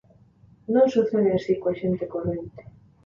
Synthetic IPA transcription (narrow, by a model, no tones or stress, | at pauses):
nõnsuθeneasikwaʃent̪ekonent̪e̥